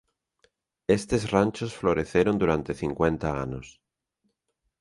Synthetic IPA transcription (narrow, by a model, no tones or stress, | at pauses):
est̪e̞zrant͡ʃosfloɾeθeɾond̪uɾant̪e̞θiŋkwẽ̞nt̪aanos